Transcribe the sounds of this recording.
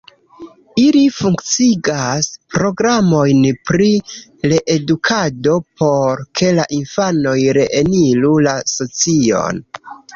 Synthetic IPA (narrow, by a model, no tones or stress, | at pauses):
ilifuŋkt͡siɡaspɾo̞ɡɾamo̞jnpɾiɾeʔedukʰado̞pʰo̞ɾkʰe̞laʔinfano̞jɾe̞ʔenilulaso̞t͡sio̞̰n